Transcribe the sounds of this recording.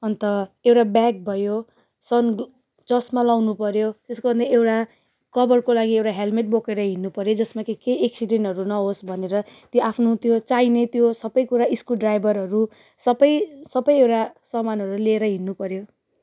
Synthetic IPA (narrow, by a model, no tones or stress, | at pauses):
ʌnt̪ʌewʈabjak̚bʱʌjo | sʌn | d͡zʌsmalawnupʌɾjot̪eskobʱʌnd̪ʌewʈa | kʌbʌrkolaɡiewʈaɦelmeʈ̚bokeɾʌɦinːupʌɾjod͡zʌsmakekeeksiɖenʌɾunʌɦosbʱʌneɾʌt̪joʔapʰnot̪jot͡sainet̪josʌbʌjkuɾaiskulɖrajbʱʌɾɦʌɾu | sʌbʌjsʌbʌjewʈasʌmanɦʌɾulieɾʌɦinːupʌɾjo